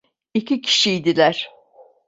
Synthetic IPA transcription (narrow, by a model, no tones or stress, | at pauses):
icicʰi̥ʃijd̪ilʲæɾ̥